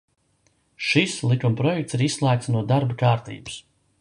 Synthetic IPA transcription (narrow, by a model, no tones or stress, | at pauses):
ʃislˠikumpɾɔjɛk̚t̪siɾissːlˠæːk̚t̪nuɔd̪aɾbakaːɾt̪ḭːbu̥s